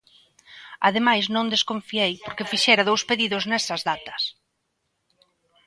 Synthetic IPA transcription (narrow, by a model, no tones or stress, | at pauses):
að̞emajznõnd̪eskõɱfiejpoɾkefiʃɛɾað̞owspeðiðoznɛsɐzðat̪ɐ̥s